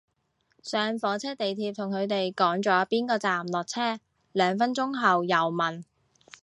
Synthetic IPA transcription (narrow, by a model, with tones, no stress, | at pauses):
sœː˨˧ŋfɔː˨˥t͡sʰɛː˥t̪e˨jt̪ʰiː˧p̚t̪ʰʊ˨˩ŋkʰɵ˨˧ɥt̪e˨jkɔː˨˥ŋt͡ʃɔː˨˥piː˥nkɔː˧t͡saː˨˩mlɔː˨k̚t͡sʰɛː˥ | lœː˨˧ŋfɐ˥nt͡ʃʊ˥ŋɦɐ˨wjɐ˨˩wmɐ˨˩n